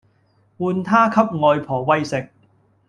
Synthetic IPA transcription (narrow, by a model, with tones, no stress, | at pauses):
wuː˨˧nt̪ʰaː˥kʰɐ˥p̚ŋɔː˨˧jpʰɔː˨˩wɐ˥jsɪ˨k̚